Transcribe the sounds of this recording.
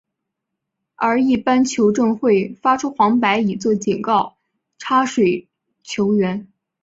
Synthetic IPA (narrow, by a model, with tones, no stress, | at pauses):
ə˞˧˥i˥˩pa˥nt͡ɕʰjo˧˥ʊʈ͡ʂɤ˥˧ŋxwe˥˩ɪfa˥ʈ͡ʂʰu˥xwɑ˧˥ŋpa˧˥ɪi˨˩t͡swɔ˥˩t͡ɕi˨˩ŋkɑ˥˩ʊ | ʈ͡ʂʰa˥ʂwe˨˩ɪ | t͡ɕʰjo˧˥ʊɥɛ˧˥n